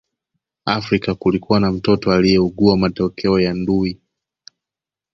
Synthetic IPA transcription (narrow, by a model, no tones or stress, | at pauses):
afɾikakulikuwanam̩tɔtɔalijɛuɠuamatɔkʰɛɔjandui